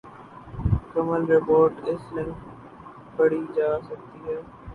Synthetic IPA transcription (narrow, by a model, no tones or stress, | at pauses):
kəməlɾepoːɾʈɪslɪŋ | pəɽid͡ʒaːsək̚t̪iːɦɛː